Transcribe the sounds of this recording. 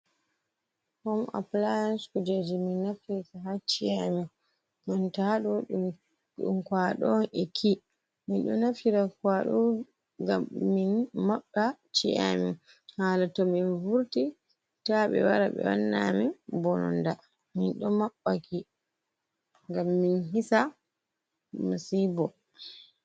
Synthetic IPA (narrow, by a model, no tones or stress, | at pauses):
hɔma̰plajanskud͡ʒad͡ʒiminːafitaɦat͡ʃiami | mintaɗɔɗu | ɗṵmkwaɗɔnɛkʰi | minɗɔnafiɾakwaɗɔ | ɡaːinmaɓːat͡ʃia̰mi | halatɔminvuɾti | taɓɛ̰waɾaɓɛ̰wa̰nːamibɔnɔ̰nda | minɗɔmaɓːakʰi | ŋɡamːinɦisa | masibɔ